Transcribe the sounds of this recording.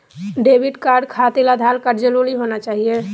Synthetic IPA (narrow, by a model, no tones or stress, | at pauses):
ɖeːbɪɖkaːɾɖkʰaːt̪elad̪ʱaːlkəɾd͡ʒəloliɦoːnat͡ʃaːɦie